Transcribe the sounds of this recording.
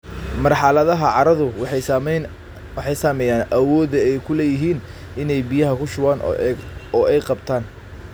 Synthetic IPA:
mɐrħɑlɐðɐɦɐʕɑɾɐðʊwħ | wħɛjsaːmɛːjaːnʔɐwɔːðɐɛjkʰʊlɛːjɪɦiːn | ɪnɛjbijɐɦɐkʰʊʃʊwaːn | ɔːɛjqɑbt̪ʰaːn

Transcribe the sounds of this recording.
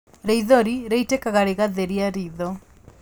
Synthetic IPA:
ɾeiðɔɾiɾeitekaɣaɾeɣaðeɾiaɾiðɔ

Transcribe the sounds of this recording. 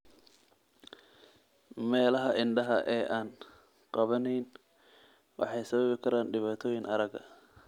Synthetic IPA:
mɛːlɐɦɐʔɪnɖɐɦɐ̰ʔɛːʔaːn | qɑβɐnɛjn | wʔɑ̰ħɑjsɐβɐβɪkʰɐɾaːnɖɪβaːt̪ʰɔːjɪŋʔɐɾɐɡɐ̰

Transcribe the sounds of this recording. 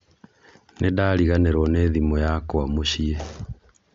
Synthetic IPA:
nʔedaːɾiɣaneɾɔneːðimɔjakoamoɕiɛ

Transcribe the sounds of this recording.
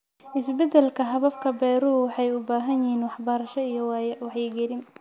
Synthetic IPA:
ʔɪsbɛd̪ɛlkʰɐɦɐβɐfkʰɐbɛːɾʊɦʊwɑħɑjʊbaːɦɐnjiːnwɑħbɐɾɐʃɐijɔwɑːjɐwɑħjɡɛɾɪn

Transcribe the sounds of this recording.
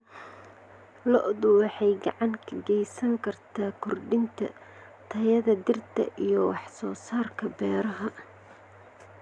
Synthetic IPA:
lɔʔðʊwɑħɑjɡɑʕɑŋkʰɐɡɛjsɐŋkʰɐrt̪ʰaːkʰʊrɖɪnt̪ʰɐ̰ | t̪ʰɐjɐðɐd̪ɪrt̪ʰɐ̰ʔijɔwɑħsɔːsaːrkʰɐbɛːɾɐɦɐ

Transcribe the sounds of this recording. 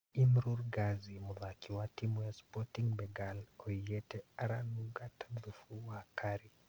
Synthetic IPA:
imɾuɾɡazimʊðakiwatimwɛspɔtiŋbɛɡaloɛtɛaɾanuɡatḁd̪ufuwakaɾi

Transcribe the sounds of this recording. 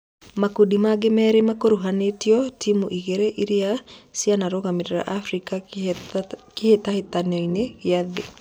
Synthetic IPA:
makudimaɡemɛɾemakoɾuɦanetjɔtʰimuʔiɣeɾeʔiɾiasianaɾoɣamiɾeɾa̰ʔafɾika | kɪhet̪ahet̪anɔinejade

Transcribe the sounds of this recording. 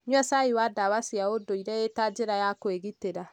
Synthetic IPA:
ɲwasaiwadawasiaodoiɾɛetad͡ʒeɾajakoeɣiteɾa

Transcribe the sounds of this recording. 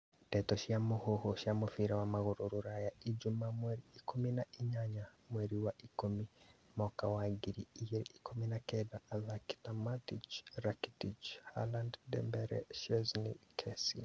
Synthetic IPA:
tɛtɔʃiamohohoʃjamofiɾawamaɣoɾoɾoɾajaid͡ʒumamwɛɾiikuminaʔiɲaɲamwɛɾiwaʔikumimɔkawaɡiɾiiɣeɾeikuminakɛðaːðaki̥tamatit͡ʃɾakitit͡ʃha̰landdɛ̰mbɛɾɛ̰ʃɛznḭkʰɛsi

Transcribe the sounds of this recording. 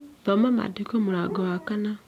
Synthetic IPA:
bamama̰dikomuɾaɡowakana

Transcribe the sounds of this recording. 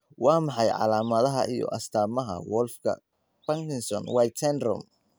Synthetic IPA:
wɑːmɑħɑjʕɑ̰laːmɐðɐɦɐʔijɔ̰ʔɐst̪ʰaːmɐɦɐ̰wɔlfkʰɐ̰ | bɐŋkɪnsɔnwajt̪ʰɛnrɔ̰m

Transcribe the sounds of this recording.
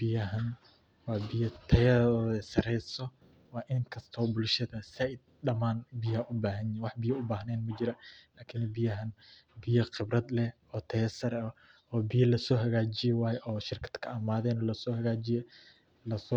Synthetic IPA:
b̥ɪjɐɦɐn | wɑːbɪjɐt̪ʰɐjɐɔːðɛsɐɾɛjsɔ | wɑːʔɪŋkʰɐst̪ʰɔːbʊlʃɐðɐsɛɪɗɐmaːnbɪjɐɐʔʊbaːɦɐnjɪwɑħbɪjɐʊbaːɦnɛːnmɐd͡ʒɪɾɐlaːkʰɪnbɪjɐɦɐn | bɪjɐqɪbrɐd̪lɛ | ɔːt̪ʰɐjɐsɐɾɐ | ɔːbɪjɐlɐsɔːɦɐɣaːd͡ʒɪjɛwaːjɛʔɔːʃɪrkʰɐ̥d̪kʰɐɐmaːðɛːnɔːlɐsɔːhɐɣaːd͡ʒɪjɛ | lɐsɔ

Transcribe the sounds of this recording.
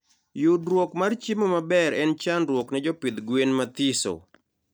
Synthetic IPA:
judɾwokmart͡ʃimomabɛɾɛnt͡ʃanɾwoknɛd͡ʒɔpɪd̪ɡwenmat̪iso̰

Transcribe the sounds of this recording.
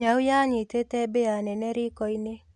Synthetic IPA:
aujaɲɪtetɛbeanɛnɛɾikɔinɪ

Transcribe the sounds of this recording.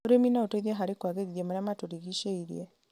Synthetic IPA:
oɾeminaotoiðeɦaɾikwaɣeɣiðjemaɾamatoɾiɣiʃeiɾj̰e

